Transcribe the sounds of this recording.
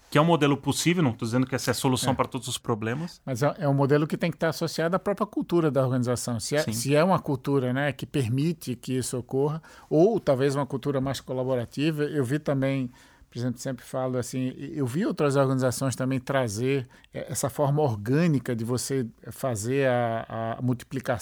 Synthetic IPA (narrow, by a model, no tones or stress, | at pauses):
kɪɛũmod̪elʊposivewnɐ̃t̪od̪izẽnd̪ʊkɪɛsɛsolussɐ̃w̃pɐɾɐt̪od̪ʊzʊspɾoblẽmɐsmɐzɛʔɛũmod̪elʊkɪt̪ẽj̃kɪt̪aɾasosiad̪ʊɐapɾɔpɾiɐkuwt̪uɾɐd̪ɐoɾɡɐ̃nizasɐ̃w̃sɪɛĩsɪɛũmɐkuwt̪uɾɐnɛkɪpeɾmit̪ɪkɪisʊokoɦɐowt̪awvezũmɐkuwt̪uɾɐmajskolaboɾat̪ivɐewvit̪ɐ̃mbẽj̃ | poɾezẽmplʊ̥sẽmpɾɪfalʊasĩewviowt̪ɾɐzoɾɡɐ̃nizasõj̃s̬t̪ɐ̃bẽj̃t̪ɾazeɾ | ɛ̰ʔɛsɐfɔɾmɐoɾɡɐ̃nikɐd̪ɪvoseɛfazeɾaa̰muwt̪i̥plika